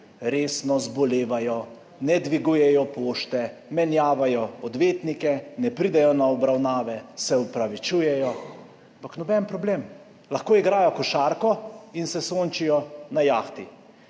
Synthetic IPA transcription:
ɾeːsnɔzbɔleːʋajɔ | nɛd̪ʋiɡujɛjɔpoːʃt̪ɛmɛnjaːʋajɔɔd̪ʋeːt̪nikɛnɛpɾid̪ɛjɔnaɔbɾawnaːʋɛsɛɔpɾaʋit͡ʃuːjɛjɔ | ampaknɔbɛnpɾɔbleːm | laxkoːiɡɾaːjɔkɔʃaːɾkɔinsɛsoːnt͡ʃijɔnajaːxt̪i

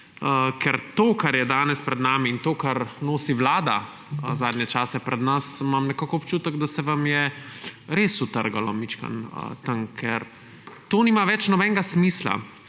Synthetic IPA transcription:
əkʰɛɾt̪oːkaɾjɛd̪aːnɛspɾɛd̪naːmiːnt̪oːkaɾnoːsiʋlaːd̪a | zaːd̪nʲjɛt͡ʃaːsɛpɾɛd̪nasmamnɛkaːkɔɔpt͡ʃuːt̪əɡd̪asɛʋamjɛ | ɾesut̪əɾɡalɔ̰mit͡ʃka̰nə̰t̪aŋkʰɛɾ | t̪oːniːmaʋɛt͡ʃnɔbɛnɡasmiːsla̰

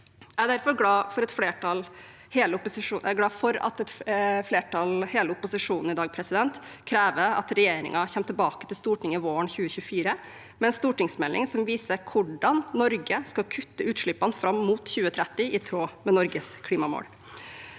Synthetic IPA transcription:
æd̪æɾfɔɾɡlɑːfɔɾɛt̪fleːʈɑl | heːləʊpʊsɪʂuːɛɡlɑːfɔɾɑ̰t̪ɛt̪fleːʈʰɑlheːləʊpʊsɪʂuːnn̩ɪd̪ɑːɡ̚pʰɾɛsɪd̪ɛnt̪kʰɾeːʋəɑ̰t̪ɾɛjeːɾɪ̰ŋɑçɛmt̪ʰəlbɑːkət̪ʰɪlst̪uːʈɪŋəʋoːəɳçʉːəçʉəfiːɾə | mɛnst̪uːʈɪŋsmɛlɪ̰ŋsɔmʋiːsəɾkʰʊɖɑnːɔɾɡəskɑkʰʉt̪ːəʉːt̪ʂɭɪpːɑnfɾɑmːuːt̪çʉːət̪ʰɾɛt̪ːɪɪt̪ʰɾoːmɛnɔɾɡəskʰliːmɑmo̰ːɽ

